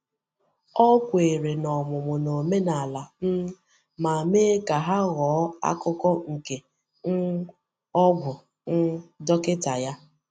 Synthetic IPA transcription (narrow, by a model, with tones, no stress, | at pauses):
ɔ˦kʷe˨ɾe˨nɔ˨mʊ˨mʊ˨no˨me˦na˨la˨n̩˦ | ma˨meː˦ka˨ɦa˦ɣɔː˨˦a̰˦kʊ˦kɔ˦ŋ̩˨ke˨ | n̩˦ | ɔ˦bʊ˨ | n̩˦dɔ˦kɪ˦ta˨ja˦